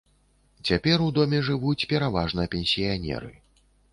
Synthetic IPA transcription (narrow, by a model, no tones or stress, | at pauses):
t͡sʲapʲɛrud̪ɔmʲɛʐɨvut͡sʲpʲɛɾavaʐnɐjɐpʲɛnʲsʲijanʲɛ̰ɾɨ̰